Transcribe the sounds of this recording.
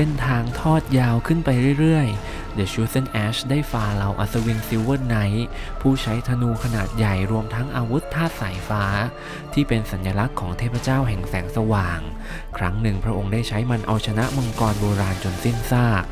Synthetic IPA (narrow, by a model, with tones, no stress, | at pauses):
se˧˩nt̪ʰaː˧ŋt̪ʰɔː˥˩t̪̚jaː˧wkʰɯ˥˩npa˧jɾɯ˥˩jɾɯ˥˩əj | de˨˩˦t͡ɕuː˦˥se˥˩nʔɛː˦˥sdaː˥˩jfaː˧la˧wʔa̰˨˩t̪̚sa˧wi˧ŋsi˧wɯː˥˩na˦˥j | pʰuː˥˩t͡ɕʰa˦˥jt̪ʰa˧nuː˧kʰa˧naː˨˩t̪̚ja˨˩jɾu˧əmt̪ʰa˦˥ŋʔaː˧wu˦˥t̪ʰːaː˥˩t̪̚saː˩˦jfaː˦˥ | t̪ʰiː˥˩pe˧nsa˩˦njaː˧la˦˥kʰːɔː˩˦ŋt̪ʰeː˥˩p̚ʰɾa˧t͡ɕaː˥˩wɦɛ˨˩ŋsɛː˩˦ŋsa˧waː˨˩ŋ | kʰɾa˦˥ŋnɯ˨˩ŋpʰɾa˦˥ʔo˧ŋdaː˥˩jt͡ɕʰa˦˥jma˧nʔa̰˧wt͡ɕʰa˧na˦˥ʔma˧ŋkɔː˧nboː˧ɾaː˧nt͡ɕo˧nsi˥˩nsaː˥˩k̚